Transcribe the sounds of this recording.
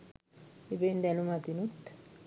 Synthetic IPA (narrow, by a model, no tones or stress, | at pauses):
ebend̪ɛnumat̪inut̪ː